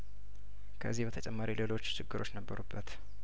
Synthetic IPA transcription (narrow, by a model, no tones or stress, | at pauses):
kʰəʔɨzːihbət̪ʰət͡ʃʼɛmːaɾilelo̞t͡ʃːt͡ʃɪɡːɨɾʔo̞t͡ʃːnəbːəɾubːət̪